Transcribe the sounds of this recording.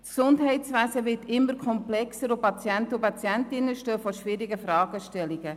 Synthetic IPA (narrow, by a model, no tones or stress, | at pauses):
ksʊndɦɛɪtsʋæsəʋɪtɪmːəɾkʰɔmplɛksəɾupɑt͡sjæntəupɑt͡sjæntɪnːəʃtøːfɔɾʃʋɪɾiɡəfɾɑːɡ̥əʃtɛliɡ̥ə